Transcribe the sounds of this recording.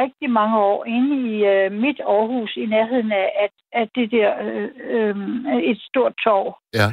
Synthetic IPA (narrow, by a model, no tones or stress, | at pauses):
ʁɛɡ̥̚d̥imɑ̈ŋəɒ̰ːe̝nəiømid̥ɒːhṵːsineɐɦe̝ð̰ˠn̩ææ̥ | æd̥e̝d̥eɐ̰øe̝d̥sd̥o̝ɐ̰d̥̚t͡sʰɒ̰ʊ̰